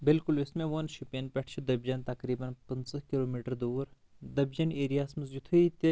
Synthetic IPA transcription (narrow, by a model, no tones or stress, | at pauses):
bɪlkʊlʋɪsmẽʋɐnʃupiɐnpʲɛʈʰt͡ʃʰud̪ɐbd͡ʒɐnt̪ɐkɾiːbɐnpɐnsɐkiloːmiʈəɾd̪uːɾ | d̪ɐbd͡ʒɐneːɾijaːsmɐzjut̪ʰuit̪e